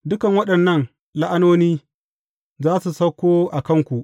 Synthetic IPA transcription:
dʊ˦kɐ˨ŋwɐ˦ɗɐ˨nːɐ˦˨n | la˦ʔa˦noː˦niː˦ | zaː˦su˨sɐ˦kʷːoː˦ʔa˨kɐ˦˨ŋkʷu˨ʔ

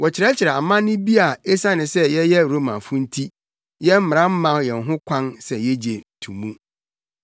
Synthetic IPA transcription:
wɔ˨t͡ɕʰɪ˨ɾɛ˦t͡ɕʰɪ˨ɾɛ˨a˨mã˦nɪ̃˦bi˦a˨e˦sã˦nɪ̃˨sɛ˦jɛ˦jɛ˦ɾo˦mã˨fʊ̃˦n̩˦tʰi˦ | jɛ˦m̩˦ɪ˨ã˦m̩˦mã˨˦jɛ˨n̩˨ɦʊ̃˦kʷʰã˦nsɛ˨jɛ˦d͡ʑe˨n̩˨tʰṵ̃˨mũ˦

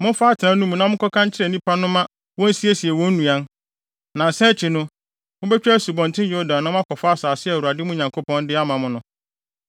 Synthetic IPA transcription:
mʊ̃˦n˦fa˦tʰɪ˨nã˨nũ˦mũ˨nã˦mʊ̃˦kɔ˦kʰã˦ɲ˦t͡ɕʰɪ˦ɾɛ˦˨nĩ˦pʰa˦nʊ̃˦mã˦ | wɔ̃˦n̩˦si˦e˦si˨ɛ˨wɔ̃˦n̩˦nũ˨a˦n | nã˨n̩˨sɛ̃˦t͡ɕʰɪ˨nʊ̃˦ | mʊ̃˦bɛ˦t͡ɕᶣæ˦su˨bɔ̃˨n˨tʰɪ̃˦njo˦dã˨nːã˦ʊ̃˦a˦kʰɔ˨fa˦saː˨sɪ˦ɛ˨u˨a˨dɪ˦mʊ̃˦ɲã˨ŋkʰo˦pɔ̃˦ndɪ˦a˦mã˨mʊ̃˦nʊ̃˦

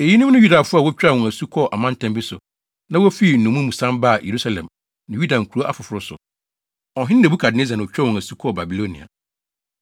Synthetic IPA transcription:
e˨ji˦nʊ̃˦m˦nʊ̃˦ju˦da˨fʊ˦a˨wɔ˦t͡ɕᶣa˦˨wɔ̃˨æ˨su˦kʰɔ˦˨ʔa˨mã˦n̩˦tʰɛ̃˦mbi˦sʊ̰˨ | nã˦wɔ˦fi˦˨n̩˨nũ˨mũ˦mũ˨sã˦mba˦˨jʔḛ˨ɾu˦sa˨lɛ̰̃˨m | nɪ̃˨ju˦da˨ŋ̩˨kʰu˨˦o˦ʔa˦fʊ˨fʊ˨ɾʊ˦sʊ̰˨ | ɔ˨ɦɪ̃˦n˦nɛ˨bu˦kʰa˨dɪ˨nɪ̃˦za˨nã˨ɔ˨t͡ɕᶣa˦˨wɔ̃˨ŋæ˨su˦kʰɔ˦˨ba˨bi˨lo˦nḭ̃˨a̰˨

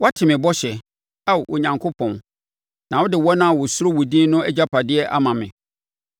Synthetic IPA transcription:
wɔ˦a˦tʰɪ˨mɪ̃˨bɔ˦ɕɛ˨ | a˦˨wʔɔ̰˨ɲã˨ŋkʰo˦pʰɔ̃˨n | nã˨wɔ˦dɪ˨wɔ˦nã˦a˨wɔ˨sʊ˦ɾo˦wu˨dĩ˦nʊ̃˦ɛ˦d͡ʑa˦pʰa˨dɪ˦ɛ˦ʔa̰˦mã˨mɪ̰̃˨

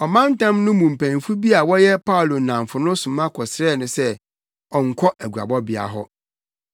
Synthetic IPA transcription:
ɔ˨mã˦n˦tã˦mnʊ̃˦mũ˨m̩˨pʰæ̃˨n˨fu˦bi˦a˨wɔ˦jɛ˦pʰa˦ʊ˨lo˨nã˨m˨fʊ˨nʊ̃˦sʊ̃˨mã˦kʰɔ˨sɾɛː˦˨nʊ̃˨sɛ˦ | ɔ̃˨ŋ̩˨kʰɔ˦ʔæ˨ɡu˨a̰˨bɔ˦bɪ˨a̰˨ɦɔ˦

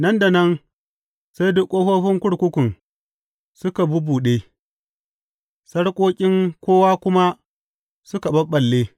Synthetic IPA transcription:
nɐ˦nda˨nɐ˦n | sa˦jdʊ˦kʷʼːoː˦ɸoː˦ɸɪ˦ŋkʷʊ˦ɽkʷʊ˦kʷʊ˨n | sʊ˦ka˨bʊ˦buː˨ɗeː˦ | sɐ˦ɽkʷʼoː˦kʲʼɪ˦ŋkʷoː˦waː˦kʷʊ˦ma˦ | sʊ˦ka˨bɐ˦ɓːɐ˨lːeː˦

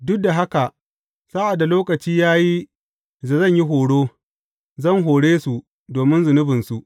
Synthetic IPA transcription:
dʊ˦da˨ɦa˦ka˨ʔ | sa˦ʔa˨dːa˨loː˦kɐ˨t͡ʃiː˦jaː˦ji˦ | za˨zɐ˦˨ɲji˦ɦoː˨ɽoː˦ | zɐ˦˨ŋɦoː˨ɽeː˦su˨ʔ | doː˨mɪ˦nzʊ˨nʊ˦bɪ˨nsu˨ʔ

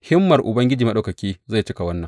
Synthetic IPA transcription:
hɪ˦mːɐ˨rʔʊ˨bɐ˦ŋɡʲɪ˦d͡ʒiː˨mɐ˦ɗa˦wkɐ˨kʲiː˦za˦˨jt͡ʃɪ˦ka˨wɐ˦nːɐ˨ŋ

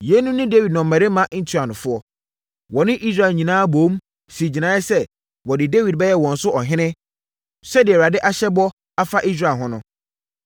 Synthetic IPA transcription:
je˨˦nũ˦nɪ̃˦de˦wi˨dnɔ̃˨m̩ː˨ã˨e˦mã˦ʔn̩˦tʰu˦a˨nʊ̃˨fʊ˦ɔ˦ | wɔ˨nɪ̃˦ʔi˦s̬ɾa˦˨lɲĩ˨nãː˦bõː˨˦m | si˨d͡ʑi˨nã˦ɪ˦sɛ˦ | wɔ˨dɪ˨de˦wi˨d̚bɛ˦jɛ˦wɔ̃˨n̩˦sʊ˦ʔɔ˨ɦɪ̃˦nɪ̃˦ | sɛ˦dɪ˨ɛ˨wɾa˨dɪ˦ʔa˦ɕɛ˦bɔ˦ | a˦fa˦ʔi˦s̬ɾa˨ɦʊ̃˦nʊ̃˦

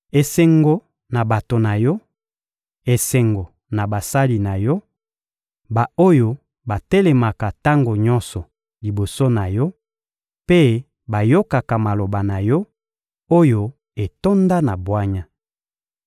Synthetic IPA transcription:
e˨se˨ŋɡo˨ | na˨ba˨to˨na˨jɔ˦ | e˨se˨ŋɡo˨ | na˨ba˨sa˦li˨na˨jɔ˦ | ba˨o˦jo˦ | ba˨te˦lɛ˨ma˨ka˨ta˦ŋɡo˨ɲɔ˦nsɔ˨ | li˨bo˨so˦na˨jɔ˦ | pe˦ | ba˨jo˦ka˨ka˨ma˨lo˨ba˨na˨jɔ˦ | o˦jo˦ | e˨to˦nda˦na˨bwa˦ɲa˦

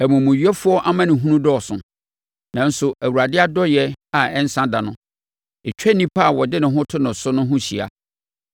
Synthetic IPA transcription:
æ˨mũ˨mʊ̃˨ɥɥɛ˦fʊ˦ɔ˦ʔa˦mã˦nɪ̃˨ɦũ˦nũ˦dɔ˦ɔ˨sʊ̃˨ | nã˨n̩˦sʊ˨ʔæ˨wu˨ɾa˨dɪ˦a˦dɔ˦jɛ˦a˨ɛ˦n˦sã˦da˨nʊ̃˦ | ɛ˨t͡ɕᶣɛ˦nĩ˦pʰa˦˨wɔ˨dɪ˦nʊ̃˨ɦʊ̃˦tʰʊ˦nʊ̃˨sʊ˦nʊ̃˦ɦʊ̃˦ɕi˨a̰˨

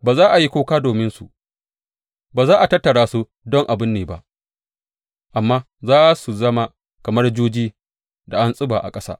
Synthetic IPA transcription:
baː˨zaː˦ʔa˨ji˦kʷoː˦kaː˦doː˨mɪ˦nsu˨ | baː˨zaː˦ʔa˨tɐ˦tːɐ˨ɽaː˦su˦ | dɔ˦ŋʔa˨bɪ˦nːeː˨ba̰˦ʔ | ʔa˨mːaː˦ | zaː˦su˨zɐ˦ma˦ | kɐ˨mɐ˦rd͡ʒuː˦d͡ʒiː˦ | da˨ʔa˦nsʼɪ˦baː˨ʔa̰˨kʼɐ˦sa̰ː˦

